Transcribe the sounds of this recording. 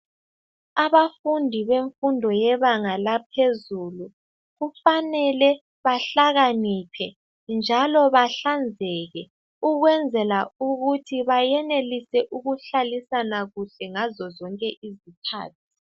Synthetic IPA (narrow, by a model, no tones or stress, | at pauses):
aβafundʱiβeɱfundʱɔjɛβaŋalapʰezulu | ɣufanɛlɛ | βaɬaɣanipʰɛ | nd͡ʒʱalɔβaɬand͡zʱɛɣɛ | uɣwɛnd͡zʱɛlauɣutʰiβajɛnelisɛʔuɣuɬalisanaɣuɬɛŋazɔzɔŋkʼɛʔizikʰa̰ːtʰi̥